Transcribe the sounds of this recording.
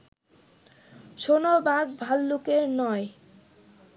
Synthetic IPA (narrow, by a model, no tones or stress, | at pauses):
ʃonobaɡ̚bʱalːukeɾnɔe